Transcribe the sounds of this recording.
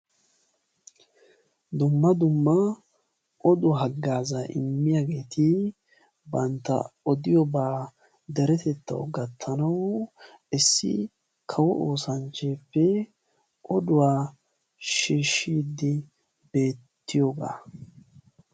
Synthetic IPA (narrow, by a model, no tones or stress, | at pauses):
d̪ʊmːɐd̪ʊmːɐ | ʔɔd̪ʊɦɐɡːaːzaʔɪ̰mːɪjaɡe̞ːt̪ɪ | bɐnt̪ːɐ̰ɔd̪ɪjɔbaː | d̪ɛɾɛt̪ɛt̪ːɐ̰wɡɐt̪ʰːɐnɐw | ɪsːɪ̰ | kʰɐwɔʔoːsɐnt͡ʃːeːpːɛ | ʔɔd̪ʊwaː | ʃiːʃːiːd̪ːɪ | be̞ːt̪ːɪjoːɡa̰ː